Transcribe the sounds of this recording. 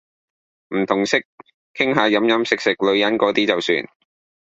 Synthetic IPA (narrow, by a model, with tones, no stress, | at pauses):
m̩˨˩t̪ʰʊ˨˩ŋsɪ˥k̚ | kʰɪ˥ŋɦaː˨˧jɐ˨˥mjɐ˨˥msɪ˨k̚sɪ˨k̚lɵ˨˧ɥjɐ˨˥nkɔː˨˥t̪iː˥t͡sɐ˨wsy̰ː˧n